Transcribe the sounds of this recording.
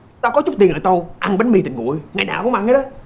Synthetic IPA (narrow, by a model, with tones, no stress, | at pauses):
t̪aː˧kɔ˨˦t͡ɕʊ˦˥i˨˩nʔəː˨jt̪ə˧wʔa˧ŋɓe˨˦nmi˨˧˩t̪ï˨˩ŋ̟ŋṵ˧˨ə˨jŋaː˨˩jnaː˧˩wkʊ̰˧˥ŋ͡mʔa˧ŋaː˨˧˦ɗə˨˦